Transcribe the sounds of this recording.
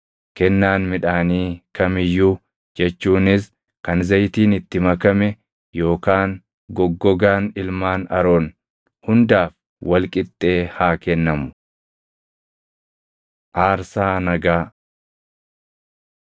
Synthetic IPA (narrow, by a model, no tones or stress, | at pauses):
kɛnːaːnmɪᶑaːniːkɐmɪjːu | d͡ʒɛt͡ʃːuːnɪs | kɐnzɐjt̪iːnɪt̪ːɪmɐkɐmɛ | jo̞ːkaːŋ | ɡɔɡːɔɡaːnɪlmaːnɐɾoːn | hʊnd̪aːf | wɐlkʼɪt̪ʼːe̞ːhaːkɛnːɐmʊ̥ | ʔaːɾsaːnɐɡaː